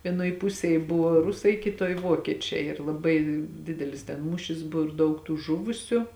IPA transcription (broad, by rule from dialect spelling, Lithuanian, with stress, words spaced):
ʋʲiɛˈnoːj ˈpʊsʲeːj ˈbʊʋoː ˈrʊsɐɪ ˈkʲɪtoːj ˈʋoːkʲiɛt͡ʃʲɛɪ ɪr lˠɐˈbɐɪ ˈdʲɪdʲɛlʲɪs tʲɛn ˈmuːʃʲɪs bʊ ɪr ˈdɐʊk tuː ˈʒʊʋʊsʲʊ